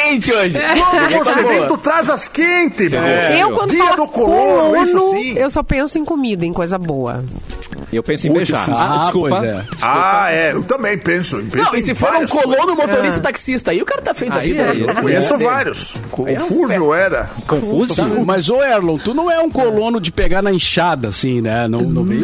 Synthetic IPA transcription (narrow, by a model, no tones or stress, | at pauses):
ẽt͡ʃɪoʒɪoẽt̪ʊt̪ɾazɐskẽnt̪ɪmewkwɐ̃d̪ʊɛd̪ʊkolõnʊsĩewsɔpẽsʊẽj̃komid̪ɐẽj̃kojzɐboɐ̰ | ewpẽsẽbeʃa̰askuojpɐzɛ̰d͡ʒiskaɛewt̪ɐ̃mbẽj̃pẽsʊpẽɐ̃wsisɪfoɾɐũkolõnʊmot̪oɾist̪ɐt̪aksist̪ɐaiʊkaɾɐt̪afejt̪aviɐkõɲesʊvaɾjʊskõffuɾvewɛɾɐ̰kõfuzmɐzoɛɾlõw̃t̪unɐ̃w̃ɛũkolõnʊd͡ʒɪpeɡaɾnɐĩʃad̪ɐsĩnɛnɐ̃w̃nɐ̃w̃me